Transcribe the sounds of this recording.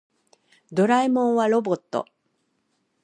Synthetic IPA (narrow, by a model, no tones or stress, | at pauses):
d̪o̞ɾaimõ̞ɰ̃βaɾo̞bo̞t̪ːo̰